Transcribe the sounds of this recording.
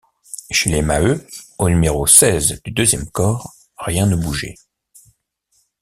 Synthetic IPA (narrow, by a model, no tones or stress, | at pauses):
ʃelemaøonymeʁosɛzd̪yd̪øzjɛmkɔːʁː | jɛ̃nəbuʒḛ